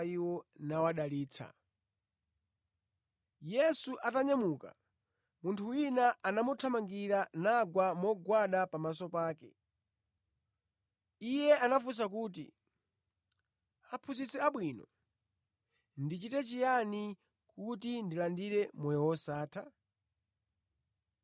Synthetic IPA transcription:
iwɔnawaɗaliːt͡sʰa̰ | jɛsuʔataɲamuka̰ | muntʰuwinaʔanamutʰamaŋɡiɾanaɡwamɔɡwaɗapamasɔpaːkɛ̰ | ijɛanafus̬akuːt̬ḭ | apʰuzit͡sɛaɓwinɔ̰ | ndit͡ʃitɛt͡ʃijani | kutindilandiɾɛmɔjɛwɔsaːtʰa

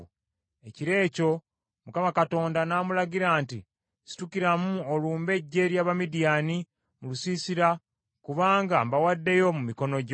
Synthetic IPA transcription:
e̞ciɾe̞ːco̞ | mukamakato̞ːndanaːmulaɡiɾaːntḭ | si̥tukiɾamuoluːmbe̞ɟːe̞ɾjaːβamidijani | mulusisiɾa | kuβaːŋɡambawadːe̞jo̞mumiko̞no̞ɟ

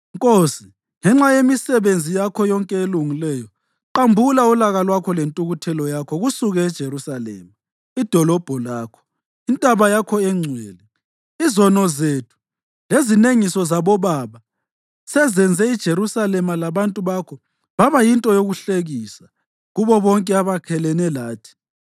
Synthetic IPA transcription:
ŋkʼosi | ŋɛŋ͡ǁajemisɛβend͡zʱijakʰɔjɔŋkʼɛeluŋilɛjɔ | ǃambʱulaulaɣalwakʰɔlentʼuɣutʰɛlɔjakʰɔɣusuɣɛːd̥ʒ̥ʱeɾusalɛ̰ːma | id̥ʱɔlɔb̥ʱɔlaːkʰɔ̥ | intʼaβajakʰɔɛŋ͡ǀʱɛːlɛ | izɔnɔzetʰu̥ | lezineŋisɔzaβɔβaːβa | sɛzɛnd͡zʱɛid̥ʒ̥ʱeɾusalɛmalaβantʼuβakʰɔ | βaβajintʼɔjoɣuɬeɣiːsa | ɣuβɔβɔŋkʼɛaβakʰɛlɛnɛlaːtʰi̥

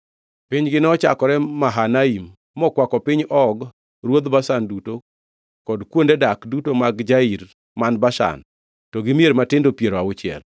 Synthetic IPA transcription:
pɪɲɡɪnɔt͡ʃakɔɾɛmaɦanaim | mɔkwakɔpɪɲɔɡ | ɾwod̪basanduto | kɔdkwondedakdutomaɡd͡ʒaiɾ | manbaʃa̰n | tɔɡɪmjeɾmatɪndopjeɾwawʊt͡ʃɪɛ̰l

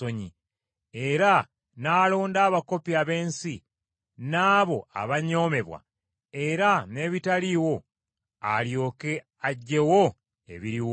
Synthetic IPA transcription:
oɲi | e̞ɾa | naːlo̞ːndaːβako̞piaβe̞ːnsi | naːβo̞a̰βaɲo̞ːme̞βwa̰ | e̞ɾane̞ːβitaliwo̞ | a̰ljo̞ːke̞ | aɟːe̞wo̞ | ḛβiɾiw

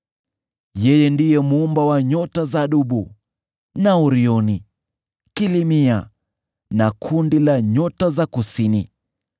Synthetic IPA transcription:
jɛjɛndijɛmuumbawaɲɔtazaɗuɓu | nauɾiɔni | kilimia | nakʰundilaɲɔtazakusini

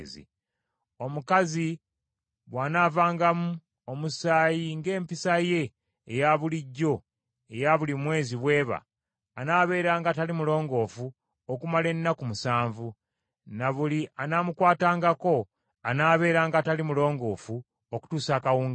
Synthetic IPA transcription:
zḭ | o̞mukazi | βwaːnaːvaːŋɡamu | o̞musaːjiŋɡe̞ːmpisaje̞ː | jaβuliɟːo̞ | e̞jaβulimwe̞ːziβwe̞ːβa̰ː | naːβe̞ːɾaːŋɡatalimulo̞ːŋɡo̞ːfu | okumale̞nːakumusaːɱvu | naβulianaːmukwaːtaːŋɡako̞ | anaːβe̞ːɾaːŋɡatalimulo̞ːŋɡo̞ːfu | oku̥tuːsaːkawuːŋɡ

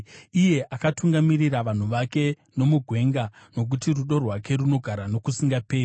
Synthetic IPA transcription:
ije̞ʔakatuŋɡamiriraʋan̤uʋake̞ | no̞muɡʱwe̞ŋɡano̞k̬utiruɗo̞rwake̞runo̞ɡʱaɾano̞kusiŋɡape̞ːi

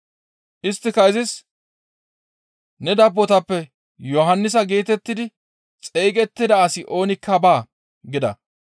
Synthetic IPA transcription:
ʔɪst̪ːɪkɐɪzɪs | nɛd̪ɐbːɔt̪ɐpːɛ | jɔɦɐnːɪs̬ɐɡiːt̪ɛt̪ːɪd̪ɪ | t͡sʼejkʼɛt̪ːɪd̪ɐːsɪʔo̞ːnɪkʰːɐbaː | ɡɪd̪ɐ̰

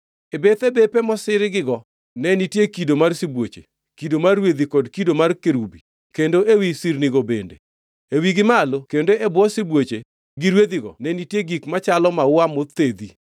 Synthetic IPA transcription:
ebet̪ɛbepɛmɔsɪɾɪɡɪɡɔ | nɛnitjekidomarsibwot͡ʃḛ | kidomarwed̪ikɔdkidomarkeɾubi | kendoʔewisirniɡɔbḛndḛ | ewiɡɪmalokendoʔɛbwɔsɪbwot͡ʃe | ɡiɾwed̪iɡɔ̰nɛnitjeɡikmat͡ʃalɔmawamot̪ed̪i

